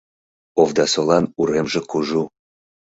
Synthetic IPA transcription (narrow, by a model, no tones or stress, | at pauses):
ovd̪ɑsolˠɑnuɾemʒĕkuʒu